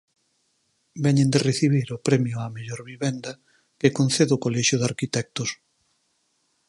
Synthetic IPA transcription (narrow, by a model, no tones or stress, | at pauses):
bɛɲẽnd̪ereθiβ̞iɾopɾɛmjʊameʎɔɾβiβɛnd̪ɐ | kekon̟θeðokolɛʃjʊðaɾkit̪ɛk̚t̪ʊs